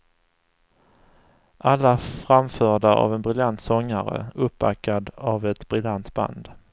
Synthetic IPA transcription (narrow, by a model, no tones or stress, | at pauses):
ʔalːafɾamfœːɖaʔa̰vɛnbɾɪljant̪sɔŋːaɾə̰ɵpːa̰kːad̪avɛt̪bɾɪljant̪ba̰nd̪